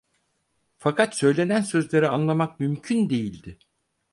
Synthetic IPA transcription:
fakʰat̪sø̞jlʲe̞nænsø̞zlʲe̞ɾianlˠamak̚mymcʰynd̪e̞jilʲd̪ɪ

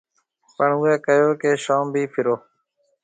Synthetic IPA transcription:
pəɳʊːɛːkəjoːkeːʃoːmbʱiːpʰɪɾoː

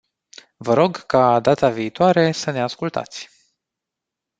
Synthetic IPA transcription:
vəɾo̞ɡkad̪at̪aviːt̪oaɾe̞səne̞askult̪a̰t̪sʲ

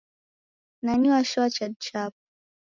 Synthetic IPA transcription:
naɲuwaʃat͡ʃad̚t͡ʃap̚

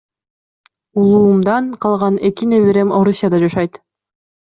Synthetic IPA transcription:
ulˠuːmd̪ɑɴqʰɑlˠʁɑne̞kine̞βeɾe̞mo̞ɾusʲːjad̪ɑd͡ʒɑʃɑjt̪

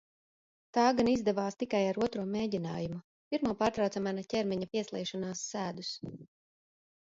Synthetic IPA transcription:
t̪aːɡanizd̪ɛvaːst̪ikajaɾuɔt̪ɾuɔmeːɟina̰ːjumu | piɾmuɔpaːɾt̪ɾɑwt̪samanacʲɛɾmʲɛɲapiɛslˠɛ̰ːʃɔnaːsːæːd̪us

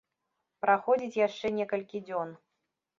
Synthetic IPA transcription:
pɾaxɔd͡zʲit͡sʲjaʂt͡ʂɛnʲɛkɐlʲkʲid͡zʲɔn

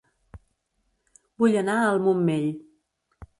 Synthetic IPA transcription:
buʎənaəlˠmumːeʎ

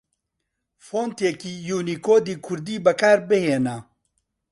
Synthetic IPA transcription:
foːnt̪jekiːjuːniːkoːd̪iːkʰʊɾd̪iːbɐkʰaːɾbɨheːna

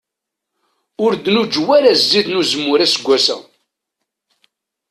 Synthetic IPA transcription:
ʊɾd̪nud͡ʒwæɾæzːiðnuzəmːʊɾæsɡʷːæsæ̰

